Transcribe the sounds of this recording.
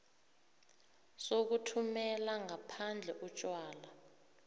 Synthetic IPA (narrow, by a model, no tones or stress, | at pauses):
sok̬utʰumɛlaŋapʰand͡ɮʱɛʔut͡ʃʼwaːla